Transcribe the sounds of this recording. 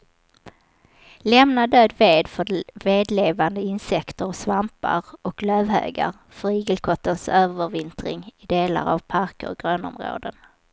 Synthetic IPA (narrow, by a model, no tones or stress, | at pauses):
lɛmnad̪øːd̪veːd̪fœveːd̪leːvand̪əɪnsɛkt̪əɾɔsvampa̰ɾɔkløːvɦø̰ːɡa̰ɾ | fœɾiːɡəlkʰɔt̪ːənsøːvvəɾvɪnt̪ɾɪ̰ŋɪd̪eːla̰ɾa̰vpʰaɾkə̰ɾɡɾøːnɔ̰mɾo̰ːd̪ən